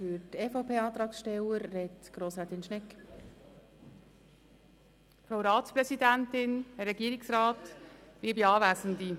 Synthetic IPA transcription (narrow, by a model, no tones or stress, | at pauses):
fyɾtɛːfoʊpʰeːɑːt̪ɾɑːksʃtɛləɾːɛtɡ̥ɾoːsɾɛt̪ɪnʃnɛk | fɾaʊɾɑːtt͡spɾɛsidæntɪnhɛrɛɡiəɾɪksɾɑːtb̥iːbiɑːvæːsən̩di